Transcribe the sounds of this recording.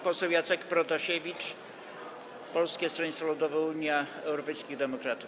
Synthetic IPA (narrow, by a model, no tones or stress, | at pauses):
pɔsɛwjat̪sɛkpɾɔd̪aɕevʲit͡ʂ | pɔlskʲɛst̪ɾɔɲʲit̪svalud̪ɔvɛuɲjaɛwɾɔpɛjskʲiɣd̪ɛmɔkɾat̪uf